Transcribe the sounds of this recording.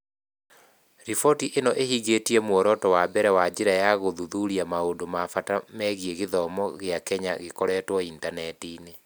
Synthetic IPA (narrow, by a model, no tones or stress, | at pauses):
ɾifɔtiʔenɔʔehiɣetiɛmwɔɾɔtɔwabɛɾɛwad͡ʑeɾajaɣoðuðuɾiamaondomafatamɛɣjeɣeðɔmɔɣeakɛɲa̰ɣekɔɾɛːtwɔintanɛtine